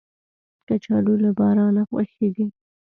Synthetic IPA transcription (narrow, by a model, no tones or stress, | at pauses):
kat͡ʃɑɖulabɑɾɑnaxwa̰xeɡi